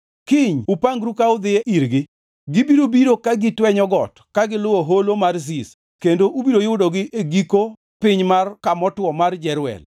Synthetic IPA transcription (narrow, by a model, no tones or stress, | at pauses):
kɪɲupaŋɡɾukaʊd̪ɪeʔiɾɡɪ | ɡɪbiɾobiɾokaɡɪtwɛɲɔɡɔt | kaɡɪlʊwoɦolomarzis | kendoʔubiɾojʊdɔɡɪʔeɡiko | pɪɲmarkamɔtwɔmard͡ʒɛɾʊwɛ̰l